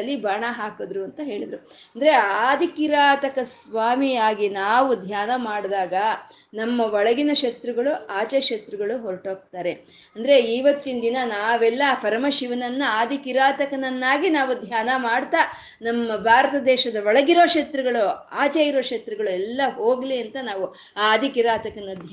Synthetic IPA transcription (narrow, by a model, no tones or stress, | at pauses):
ɐlːibaːɳaɦaːkod̪ɾuɐnt̪ɐɦe̞ːɭid̪ɾu | ɐnd̪ɐɾe̞aːd̪ʱikiɾaːt̪ɐkɐsʋaːmijaːɡinaːʋud̪ʱjaːnɐmaːɽd̪aːɡɐ | nɐmːɐʋɔɭɐɡinɐʃɐt̪ɾuɡɐɭuaːt͡ʃeʃɐt̪ɾuɡɐɭuɦoɾɐʈo̞ːɡ̚t̪aːɾe̞ | ɐnd̪ɐɾe̞iːʋɐt̪ːind̪inɐnaːʋɛlːɐpʰɐɾɐmɐʃiʋɐnɐnːuaːd̪ʱikiɾaːt̪ɐkɐnɐnːaːɡinaːʋud̪ʱjaːnɐmaːɽt̪a | nɐmːɐbʱaːɾɐt̪ɐd̪ɛːʃɐd̪ɐʋɔɭɐɡiɾoːʃɐt̪ɾuɡɐɭuaːt͡ʃeiɾo̞ːʂɐt̪ɾuɡɐɭuɛlːɐɦo̞ːɡliɐnt̪ɐnaːʋu | ad̪ʱikiɾaːt̪ɐkɐnɐd̪ʱj